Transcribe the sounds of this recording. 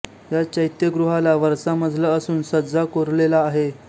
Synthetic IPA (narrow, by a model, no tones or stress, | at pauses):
jat͡ɕəjt̪jəɡɾuɦalaʋəɾsaməd̪ʱləəsuːnsəd͡zʱakoɾlelaːɦe